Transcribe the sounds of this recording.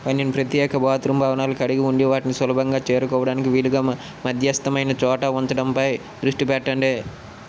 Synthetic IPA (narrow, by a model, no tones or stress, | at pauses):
pɐnːinpɾɐt̪jɛːkɐbaːt̪ɾumbʱaːʋɐnaːlukɐɽiɡiuɳɖiʋaːʈinisɐlɐbʱɐŋɡaːt͡ʃeːɾukɔːʋɐɽaːnikiʋiːluɡaː | mɐd̪ʱjɐst̪ɐmɐjnɐt͡ʃɔːʈɐːunt̪ɐɽɐmpɐj | d̪ɾuʂʈipɛʈːɐɳɖeː